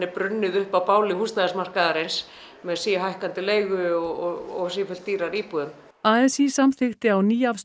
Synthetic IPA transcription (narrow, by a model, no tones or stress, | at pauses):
ɪpɾʏnːɪðʏhpapaːwlɪhust̪aðsmar̥kaðaɾɪns | mɛðsiːɦajhkant̪ɪleːjɣʏɔɔɔsifʏl̥t̪ːiːɾaɾiːpuðʏm | aːɛsisamθɪxt̪ɪawniːafs